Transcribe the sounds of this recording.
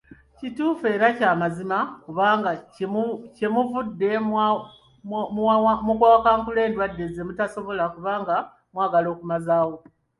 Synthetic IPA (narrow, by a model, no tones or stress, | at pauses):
cituːfe̞ːɾacaːmazimakuβaːŋɡa | ce̞muvudːe̞ | amukwaːkaːŋkule̞ːndwadːe̞zemutaso̞βo̞lakuβaːŋɡa | mwaːɡalo̞ːkumazaːwo̞